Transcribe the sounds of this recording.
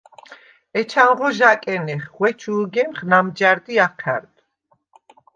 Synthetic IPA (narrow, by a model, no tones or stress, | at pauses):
ɛt͡ʃʰanʁɔʒakʼɛnɛχʁwɛt͡ʃʰuːɡɛmχnamd͡ʒaɾd̪iaqʰɛ̰ɾd̪